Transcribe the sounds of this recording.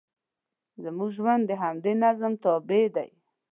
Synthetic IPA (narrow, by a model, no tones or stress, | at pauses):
zəmuɡʒwand̪ːəɦamd̪enazəmt̪ɑbed̪a̰j